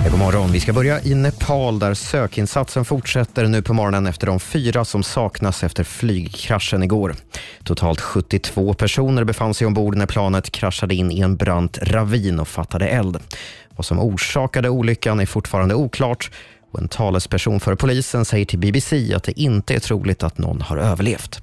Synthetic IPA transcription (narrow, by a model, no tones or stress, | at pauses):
ɛpɔmɔɾɔnvɪskabœɾjaʔɪnɛpʰɑːld̪æɾsøːkɪnsat̪sənfʊʈʂɛt̪ːəɾɳʉ̟ːpʰɔmɔɾɔnənɛft̪əɖɔmfyːɾasɔmsɑːknasɛft̪əɾflyːɡkʰɾaʂːənɪɡoːɾt̪ʰʊt̪ʰɑːlt̪ɧɵt̪ːɪt̪ʰv̥oːpʰæʂuːnəɾbɛfansɛjɔmbuːɖənæɾpʰlɑːnət̪kʰɾaʂːad̪əɪnːɪɛnbɾant̪ɾaviːnɔfat̪ːad̪əʔɛld̪vasɔmuːʂɑːkad̪əuːlʏkːanæɾfʊʈːfɑːɾand̪əuːkʰlɑːʈ | ɔɛ̰nt̪ʰɑːləspʰæʂuːnfœːɾpʰʊliːsənsɛjːəʈʰɪlbɪbɪsiːa̰t̪̚d̪ɛʔɪnt̪əæ̰ʈʰɾṵːlɪɡ̚t̪at̪nɔ̰nːha̰ɾøːvəɭeːft̪